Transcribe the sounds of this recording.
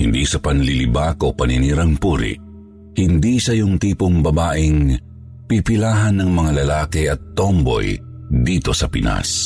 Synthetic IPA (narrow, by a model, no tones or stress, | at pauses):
hɪnd̪isɐpɐnlilɪbakopɐnɪniːɾɐŋpuɾɪ̰ | hɪnd̪isɐjʊŋt̪iːpʊŋbɐbaːʔɪŋ | pipɪlaːɦɐnːɐŋmɐŋalɐlaːkɪɐt̪ːombo̰j | d̪iːt̪o̞sɐpɪ̰nʔa̰s